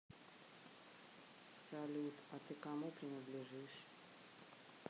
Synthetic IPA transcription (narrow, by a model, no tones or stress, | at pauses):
sɐlʲut̪ɐt̪ɨkamupɾʲɪnəd̪lʲɪʐɨʂ